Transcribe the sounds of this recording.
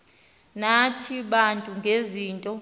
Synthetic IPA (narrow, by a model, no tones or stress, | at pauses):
natʰiɓantʼuŋɡʱeziːntʼɔ